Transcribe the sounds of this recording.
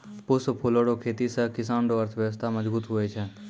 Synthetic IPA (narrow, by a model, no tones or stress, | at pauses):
pʊspʰoːloːɽokʰeːt̪isəkɪsaːnɖoəɾt̪ʰəʋjəʋəs̬t̪ʰaməd͡ʒbuːt̪ɦʊet͡ʃʰɛ